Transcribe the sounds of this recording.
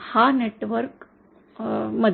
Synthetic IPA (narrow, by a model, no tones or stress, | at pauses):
haneʈʋəɾk | məd̪ʱ